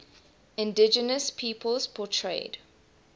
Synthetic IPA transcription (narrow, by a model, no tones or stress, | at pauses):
ɪ̃ndɪd͡ʒənəspʰiːpʰəlzpʰɔtʰɹḛɪd̥